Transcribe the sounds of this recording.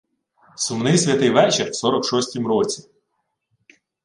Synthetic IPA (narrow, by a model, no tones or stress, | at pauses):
sʊmnɪjsʲʋʲɐt̪ɪjʋɛt͡ʃerwsɔɾɔkʃɔsʲtʲimɾɔt͡sʲi